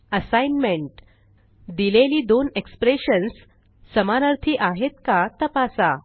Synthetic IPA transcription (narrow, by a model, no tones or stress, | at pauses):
əsajnmeɳʈ | d̪ileliːd̪onekspɾeɕənsː | əmanəɾt̪ʰiʔaɦet̪̚kat̪əpasa